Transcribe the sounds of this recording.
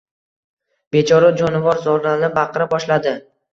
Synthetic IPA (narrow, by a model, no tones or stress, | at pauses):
b̥e̞t͡ʃʰɒɾad͡ʒɒnɪvɒɾzɒɾanɪbaqʰɨɾabɒʃlad̪ɪ